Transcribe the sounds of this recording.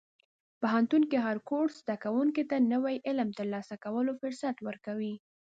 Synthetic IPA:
paɦant̪unkeɦaɾkoʈz̥d̪akawuŋket̪anəwajʔɪlmt̪əɾlɑsakawəlofʊɾsat̪wəɾkawi

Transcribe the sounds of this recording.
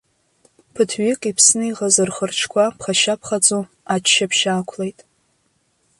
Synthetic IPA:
pʰɨtʰɥɪkʼipʰsnɨiʁazɨrχərʈ͡ʂʰkʷʰapʰχaʃapʰχad͡zʼu | at͡ʃʰʃapʰʃaːkʷʰlejtʼ

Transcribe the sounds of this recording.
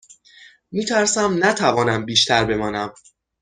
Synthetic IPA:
miːt̪ʰæɾsæmnæt̪ʰævɒːnæmbiːʃt̪ʰæɾbe̞mɒːnæm

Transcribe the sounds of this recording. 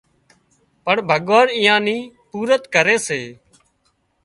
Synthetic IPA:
pəɳbʱəɠʋaːnɪ̃ːjãːnĩːpuːɾət̪kəɾeːseː

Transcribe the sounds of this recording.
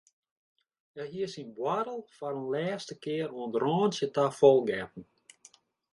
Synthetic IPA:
ɛɦiəsinbwaɾəlˠfaɾonlɛːstəkɪəɾoəndrɔːnsjətafɔlˠɡɛt̚n̩

